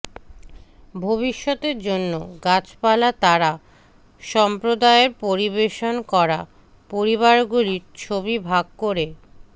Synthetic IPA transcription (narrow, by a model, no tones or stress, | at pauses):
bʱoβiʃːɔt̪eɾd͡ʑonːoɡat͡ɕpalat̪aɾa | ʃɔmpɾod̪aeɾpoɾibeʃonkɔɾa | poɾiβaɾɡuliɾt͡ɕʰobibʱaɡ̚koɾe